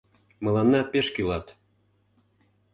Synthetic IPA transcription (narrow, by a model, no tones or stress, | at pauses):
mɤlˠɑnːɑpeʃkylɑt̪